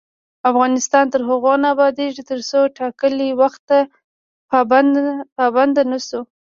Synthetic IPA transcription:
afɣɑnɪst̪ɑnt̪əɾɦaɣonaːbɑd̪eʐit̪əɾsoʈɑkəliwaxt̪ːa | pɑbapɑband̪anasu

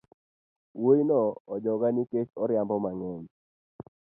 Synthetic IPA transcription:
woinɔɔd͡ʒɔɡaniket͡ʃɔɾjambɔmaŋɛɲ

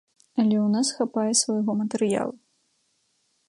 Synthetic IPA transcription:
ɐlʲɛwnasxapajɛsvajɣɔmɐt̪ɛɾɨja̰lˠu

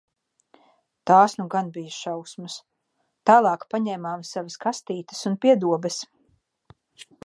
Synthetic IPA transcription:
t̪aːsnuɡanbijɐʃawsmɐs | t̪aːlˠɑːkpaɲɛːmaːmsavəskast̪iːt̪ə̥sunpiɛd̪uɔbɛs

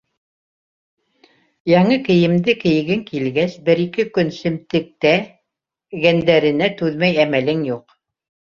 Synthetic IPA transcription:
jɑɴɤkɘ̆jɘ̆md̪ɘkɘ̆jɘ̆ɡɘŋkilɡæsbɘ̆ɾikɘkɵnsɘ̆mt̪ɘ̆k̚t̪æ | ɡænd̪æɾɘ̆næt̪ʉðmæjæmælɘŋjuq

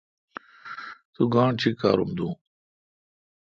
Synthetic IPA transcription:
t̪uɡãːɳt͡ɕʰika̰ːɾumd̪ũː

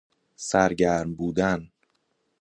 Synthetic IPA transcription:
sæɾɟæɾmbuːd̪æn

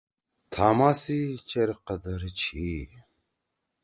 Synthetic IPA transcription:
t̪ʰaːmaːsit͡ɕeɾqɐd̪ɐɾt͡ɕʰi

